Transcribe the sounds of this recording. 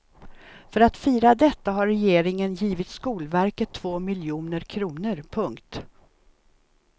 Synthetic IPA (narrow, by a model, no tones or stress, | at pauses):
fœɾat̪fiːɾad̪ɛt̪ːaɦaɾːɛjeːɾɪŋənjiːvɪt̪skuːlvæɾkət̪ʰːv̥oːmɪljuːnəɾkʰɾuːnəɾpʰɵŋkt̪